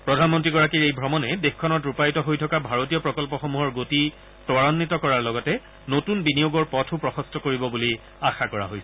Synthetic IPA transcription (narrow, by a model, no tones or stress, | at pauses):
pɹɔdʱanmɔntɹiɡɔɹakiɹejbʱɹɔmɔnɛdexkʰɔnɔtɹupajtɔɦojtʰɔkabʱaɹot̬iɔpɹɔkɔlpɔxɔmuɦɔɹɡoti | tɔɹɔnːitɔkɔɹaɹlɔɡɔtɛ | notunbinijoɡɔɹpɔtʰupɹɔxɔstʰɔkoɹibɔbuli | axakɔɹa̰ɦojsɛ̥